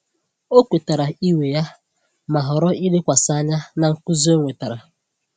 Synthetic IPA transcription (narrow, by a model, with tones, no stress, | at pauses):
o˦kʷe˨ta˨ɾa˨i˦we˨ja˦ | ma˨ɦɔ˨ɾɔ˦i˦dɪ˦kʷa˨sa˦ɲa˦na˨ŋ̩˨kʊ˦zi˦o˦ŋʷe˨ta˨ɾa˨